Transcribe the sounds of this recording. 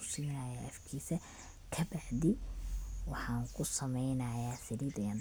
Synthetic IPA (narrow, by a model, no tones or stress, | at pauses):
ʊsiːnɐjaːʔɐfkʰiːsɛ | kʰɐbɐħd̪ɪ | wɑħɑːŋkʰʊsɐmɛjnɐjaːsɪliːd̪jɐn